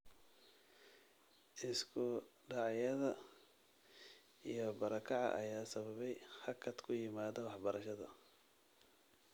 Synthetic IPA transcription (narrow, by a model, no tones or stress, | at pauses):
ʔɪskʰʊɖɑʕjɐðɐ | ijɞbɐɾɐkʰɑʕɑ̰ʔɐ̰jaːsɐβɐβɛjhɐkʰɐd̪kʰʊjɪmaːðɐwɑħbɐɾɐʃɐðɐ̰